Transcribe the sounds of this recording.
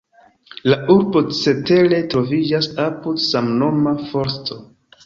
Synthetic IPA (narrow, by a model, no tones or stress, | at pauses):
laʔuɾbo̞t͡se̞te̞ɾe̞tɾo̞vid͡ʒasapudsamno̞mafo̞ɾsto̞